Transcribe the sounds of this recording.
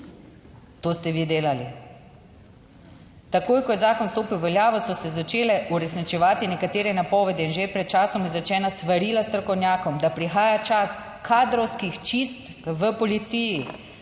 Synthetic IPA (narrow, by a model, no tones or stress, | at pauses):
t̪oːst̪ɛʋiːd̪eːlali | t̪akoːjkɔjɛzaːkɔnst̪oːpiwʋɛljaːʋɔsɔsɛzat͡ʃeːlɛʔuɾɛsnit͡ʃɛʋaːt̪inɛkat̪eːɾɛnapɔːʋɛd̪ɛinʒepɾɛt̪̚t͡ʃaːsɔmjɛzɛt͡ʃɛːnasʋaɾiːlast̪ɾɔkɔwnʲjaːkɔmd̪apɾixaːjat͡ʃas | kʰaːd̪ɾɔwskixt͡ʃist̪ | ʋəpɔlit̪siːji